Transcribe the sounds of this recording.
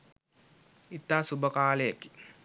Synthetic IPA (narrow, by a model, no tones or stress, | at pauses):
it̪ːaːsubəkaːleki̥